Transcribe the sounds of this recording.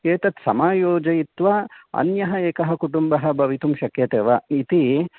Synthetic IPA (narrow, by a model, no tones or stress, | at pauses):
keːt̪ɐt̪sɐmaːjoːd͡ʒɐjit̪ʋɐɐ̰njɐɦɐeːkɐɦɐkuʈumbɐɦɐ̆bʱɐʋit̪umʃɐkjɐt̪eːʋɐit̪i